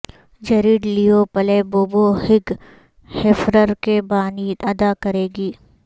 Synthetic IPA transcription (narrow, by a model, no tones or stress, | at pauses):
d͡ʒɐɾiːɖliopɐleboːbohɪɡ | hefɾəɾkebaːniːd̪ɐd̪akɐɾeːɡiː